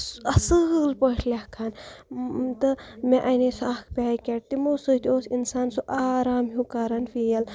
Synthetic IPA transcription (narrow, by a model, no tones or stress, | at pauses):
ɐsɨlpəʈʰlʲakʰaːn | t̪ɨmẽʔɐnisaːkʰpʲaːjkʲeʈ̚t̪imosɨt̪ʲoːsinsaːnsuʔaːɾaːmɦjukaɾɐnfijɐl